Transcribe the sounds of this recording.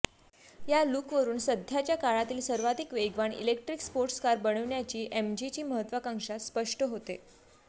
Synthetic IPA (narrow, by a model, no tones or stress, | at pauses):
jaluːkʋəɾuːnsəd̪ʱjat͡ɕjakaɭat̪iːlsəɾʋad̪ʱikʋeɡʋaɳḭlek̚ʈɾikspoɾʈskaɾbəɽ̃əʋɳjat͡ɕiːʔemd͡ʑit͡ɕiːməɦət̪ʋəkãŋʂat̪spəʂʈəɦot̪e